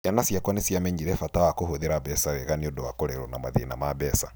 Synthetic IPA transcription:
janasiakwanesiameɲiɾɛfatawakohoðeɾabɛsawɛɣaniodowakoɾeɾɔnamaðḭnamaβɛsa

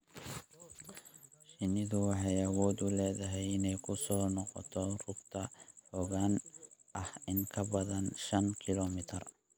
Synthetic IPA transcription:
ʃɪnɪðʊwɑħɑjɐwɔːd̪ʊlɛːðɐɦɛjɪnɛjkʰʊsɔːnɔqɔ̰t̪ʰɔrʊɡt̪ʰɐħɔːɣaːnʔɐhɪŋkʰɐbɐðɐnʃɐnkʰɪlɔmɪt̪ʰɐr

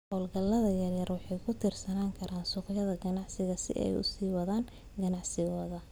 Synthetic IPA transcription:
hɔːlɡɐlːɐðɐjɐrjɐrwɑħɑjkʰʊt̪ʰiːrsɐnaːŋkʰɐɾʔaːnsuːqjɐðɐɡɐnɑʕsɪɣɐsɪ̰ʔɛ̰jʊ̰siːwɐðaːn | ɡɐnɑʕsɪɣɔːðɐ

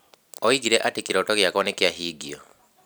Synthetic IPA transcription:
ɔiɣiɾɛʔatekiɾɔtɔɣjakɔnekeaɦiːɡiɔ

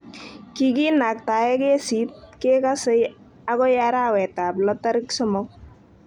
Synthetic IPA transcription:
kiɡinak̚t̪ajeɡesit̪̚kekasəj | aɡɔjaɾawɛt̪ablɔt̪aɾiksɔmɔk̚

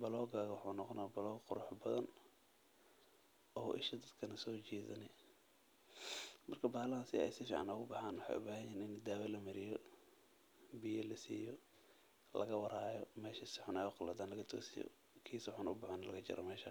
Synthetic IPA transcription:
bɐlɔːɡaːɣɐwʊħuːnɔqɔnaːbɐlɔːɡqʊɾʊħbɐðɐn | ʔɔːʔɪ̰ʃɐd̪ɐd̪kʰɐnɐsɔːt͡ʃiːðɐnɛ | mɐrkʰɐbaːlɐasɪɛ̰jsɪfḭːʕa̰nɔɣʊbɑħaːnwɑħɑ̰jʊ̰baːɦɐjɛːnɪnd̪aːwɐlɐmɐɾɪjɔ | bɪjɐlɐsḭːjɔ | lɐ̰ɣɐwɑɾaːjɔmɛːʃɐsɪħʊnɛjʊqɑlɐd̪aːnlɐɣɐt̪ʰɔ̰ːsɪjɔ̰ | kʰiːsʊħʊnʊbɑħanɐlɐɣɐt͡ʃɪ̰ɾɔ̰mɛːʃɐ̰

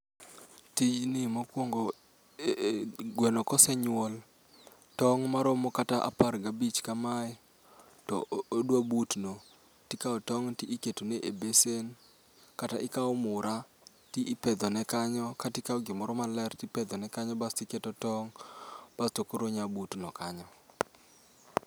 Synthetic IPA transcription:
tid͡ʒnɪmokwoŋɡo | ɡwenɔkɔsɛɲwol | tɔŋmaɾomɔkataʔa̰parɡabit͡ʃkamaɪ | tɔ̰odwabutno | tikaɔtɔŋtiʔːketoneʔebesen | kataʔɪkaɔmʊɾʔa | tiʔipɛd̪ɔnɛkaɲɔkatikawɡɪmɔɾɔmalɛrtipɛd̪ɔnɛkaɲɔbastɪketotɔŋb̥astokoɾoɲabutnɔkaɲɔ

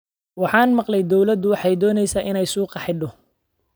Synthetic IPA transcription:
wɑħɑːnmɑqlɛjd̪ɔwlɐd̪ʊwɑħɑjd̪ɔːnɛjsaːʔɪnɛjsuːqɑħɪɖɔ

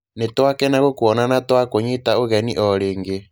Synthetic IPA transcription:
netwakɛnaɣokoɔnanatwakoɲetaoɣɛniʔɔɾeːŋɡe

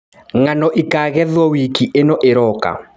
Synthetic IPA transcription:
ŋanɔʔikaːɣɛðwɔwikiʔenɔʔeɾɔka̰

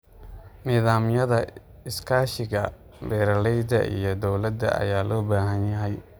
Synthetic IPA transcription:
niːðaːmjɐðɐ | ɪskʰaːʃɪɣɐ | bɛːɾɐlɛjd̪ɐ̰ʔḭjɔd̪ɔwlɐd̪ɐ̰ɐ̰jaːlɔːbaːɦɐnjɐɦɛj

